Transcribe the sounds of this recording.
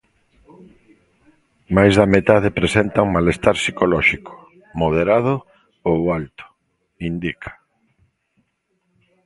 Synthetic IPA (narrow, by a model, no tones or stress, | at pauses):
majzðɐmet̪aðɪpɾesent̪auŋmalest̪aɾsikolɔʃikʊ̥ | moðeɾað̞ʊ | owalt̪ʊ̥ | ind̪ikʰḁ